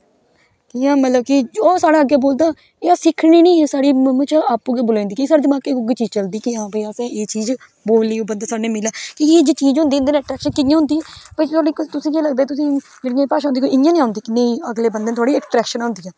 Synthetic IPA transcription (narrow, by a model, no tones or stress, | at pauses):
kɪãːmət̪ləb̚kɪd͡ʒoːsaːɽaːəɡeːboːld̪aː | aːsɪkʰɳiːnĩːsaːɽiːmm̃ːt͡ʃːaːpuɡeːbʊlãːnd̪iːkisaːɽeːd̪ɪmaːkeːʊɡeːt͡ʃiːd͡ʒt͡ʃəld̪iːkɪãːbiːaːsɛ̃ːeːt͡ʃiːd͡ʒ | boːliːoːbənd̪aːsaːneːmɪlːaːkied͡ʒeːt͡ʃiːd͡ʒɦʊ̃nd̪iːnd̪eːneːʈɾɛːkʃənkɪnɪ̃jãɦʊ̃nd̪iːɛːpət̪ʰːɽikt̪ʊsĩːd͡ʒeːləɡd̪eːt̪ʊsĩː | d͡ʒeːɽĩjãːpaːʃaːʊnd̪iːkoiɪnɪjãːnĩːãɦʊnd̪iːkɪneiəɡleːbənd̪eːt̪ʰoaːɽiːɛʈɾɛːkʃənɦʊ̃nd̪iːɛː